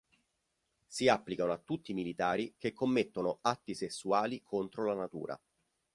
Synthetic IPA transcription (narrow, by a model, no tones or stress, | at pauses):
siapːlikanoat̪ːut̪ːimilit̪aːɾik̟ekːomːet̪ːonoat̪ːisesːuaːlikʰont̪ɾolanat̪ṵːɾa̰